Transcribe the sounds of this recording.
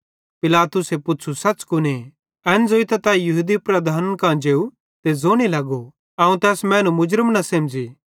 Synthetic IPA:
pɪlaːt̪ʊsepʊtːʃʰusɐtːt͡ʃkʊne | ɛnd͡zoit̪ɐt̪ãjɐɦud̪ipɾɐd̪ʱaːnnkãd͡ʒeːu | t̪ezoːɽ̃ilɐɡo | ɐũt̪ɛːsmɛ̃ːnũmʊd͡ʒɾəmnɐsɐ̃md͡ʒi

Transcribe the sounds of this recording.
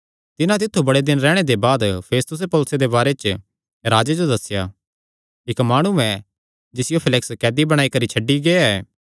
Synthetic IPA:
t̪ɪnãt̪ɪt̪ʰːubɐɽed̪ɪnɾɛːɽ̃ed̪ebaːd̪pʰeːst̪ʊs̬epɔːlsed̪ebaːɾet͡ʃ | ɾaːd͡ʒed͡ʒod̪ɐsɪjaː | ɪkmaːɽ̃uɛ̃ | d͡ʒɪsɪjopʰɪlɪkskɛːd̪ibɐɽ̃aːikɐɾit͡ʃʰɐɖːiɡeːaɛː

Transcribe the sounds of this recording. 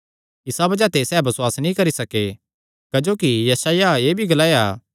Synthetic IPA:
ɪsabɐd͡ʒat̪esɛːbɐswaːsnĩkɐɾisɐke | kɐd͡ʒoːkijɐsaːjaeːbʱiɡɐlaːea̰ː

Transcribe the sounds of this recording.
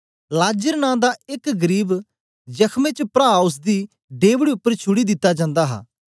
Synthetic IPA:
laːd͡ʒəɾnãːd̪aːɪkɡəɾiːb | d͡ʒəkʰmẽːt͡ʃpɾaːʊs̬d̪iː | ɖeːʋɽiʊpːəɾt͡ʃʰʊɽiːd̪ɪt̪ːaːd͡ʒãːnd̪aːɦa̰ː

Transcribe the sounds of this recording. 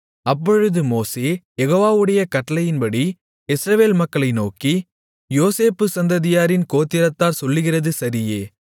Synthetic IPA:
ɐpːɔɻɯðɯmoːseːjɛɣoːʋaːʋɯɽɐjɐkɐʈːɐlɐjɪnpɐɽi | ɪsɾɐʋeːlmɐkːɐɭɐɪnoːki | joːseːpːɯsɐnd̪ɐðɪjaːɾɪnkoːt̪ːɪɾɐt̪ːaːɾsɔlːɯɣɪrɐðɯsɐɾɪjeː

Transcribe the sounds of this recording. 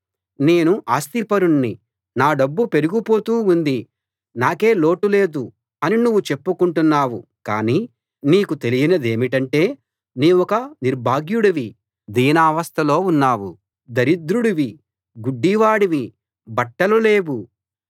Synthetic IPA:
ne̞ːnuʔaːst̪ipɐɾuɳːi | naːɖɐbːupe̞ɾuɡupo̞ːt̪uːund̪i | naːke̞ːlo̞ːʈule̞ːd̪u | ɐninuʋːut͡ʃe̞pːukuɳʈunːaːwuka̰ːniː | niːkut̪e̞lijinɐd̪e̞ːmiʈɐɳʈe̞ː | niːʋɔkɐniɾbʱaːɡjuɽɐʋi | d̪iːnaːʋɐst̪ʰɐlo̞ːunːaːwṵ | d̪ɐɾid̪ɾuɽiʋi | ɡuɖːiʋaːɽiʋi | bɐʈːɐlule̞ːwu

